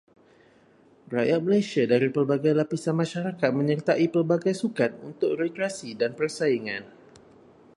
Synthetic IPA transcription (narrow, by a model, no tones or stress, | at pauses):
rajat̪̚məlajsiadaɾipərbaɡajlapisanmãʃaɾakat̪̚mə̃ɲərt̪aʔipərbaɡajsukat̪̚unt̪ʊk̚rɛt̪ɾasidanpərsaiŋã̰n